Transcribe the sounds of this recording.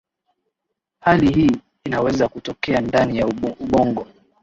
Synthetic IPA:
halihiː | inawɛzakutɔkɛandanijauɓɔŋɡɔ

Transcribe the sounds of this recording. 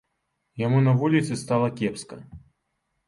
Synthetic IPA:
jamunɐvulʲit̪sɨst̪alˠɐkʲɛpskɐ̰

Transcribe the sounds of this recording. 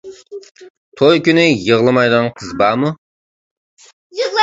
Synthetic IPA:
t̪ʰojkʲynɪjəʁlˠɨmɑjd̪ənqʰəzbɑːmu

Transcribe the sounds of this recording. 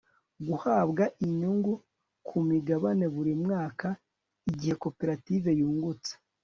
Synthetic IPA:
ɡuhaːβɡaʔiɲuŋɡu | kʰumiɡaβane̞βuɾimŋaːka | iɟihe̞ko̞pe̞ɾative̞juːŋɡut͡se̥

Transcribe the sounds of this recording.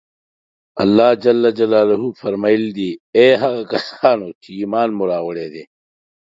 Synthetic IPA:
ɐ̰lːaːd͡ʑɐlːɐd͡ʑɐlaːluɦuːfɐɾmaild̪iːeːɦɐɣkɐsaːnoːt͡ɕʰiiːmaːnmuɾaːwɐɽeːd̪eː

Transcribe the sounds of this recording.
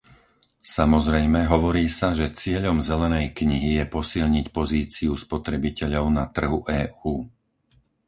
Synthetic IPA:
samɔzɾɛjmɛɦɔʋɔɾiːsaʒɛt͡sɪɛʎɔmzɛlɛnɛjkɲiɦijɛpɔsiʎɲicpɔziːt͡siuspɔt̪ɾɛbicɛʎɔʊnat̪r̩ɦuʔɛːuː

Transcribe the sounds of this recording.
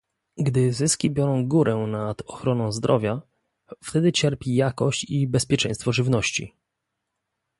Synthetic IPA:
ɡd̪ɘzɘskʲibʲjɔɾɔ̃w̃ɡuɾʔɛnad̪ɔxɾɔnɔ̃w̃zd̪ɾʔɔvʲja | ft̪ɛd̪ɘt͡ɕɛɾpʲijakɔɕt͡ɕibɛspʲjɛt͡ʂɛ̃j̃st̪fɔʐɘvnɔɕt͡ɕḭ

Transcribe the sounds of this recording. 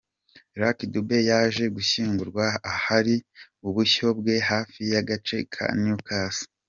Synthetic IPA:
ɾakdube̞jaːʒe̞ɡuçiːŋɡuɾɡwaːhaɾi | uβuço̞bɡe̞ɦaːfijaɡat͡ʃe̞kʰa̰niukaːsi̥

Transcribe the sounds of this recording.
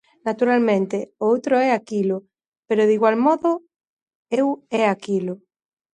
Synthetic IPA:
nat̪uɾalmẽnt̪eowt̪ɾoɛakilo | peɾoðiɣwalmɔðo | ewɛakilo

